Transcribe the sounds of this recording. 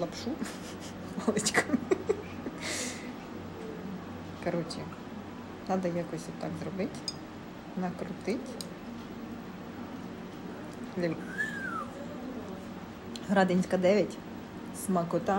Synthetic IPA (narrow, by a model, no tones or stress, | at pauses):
lˠɐpʃu | malˠɪt͡ʃʲkʰɔm | kɐɾɔt͡ʃʲi | nɑd̪ɐjakɔsʲʋt̪ːɑɡzrɔbɪtʲ | nɐkɾʊt̪ɪtʲ | lʲi | ɦɾɑd̪enʲsʲkɐd̪ɛʋʲjɐtʲ | smɐkʊt̪ɑ